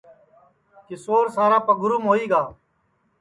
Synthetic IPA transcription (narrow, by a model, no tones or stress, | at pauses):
kɪsoːɾsaːɾaːpəɡʊɾumɦoːiːɡaː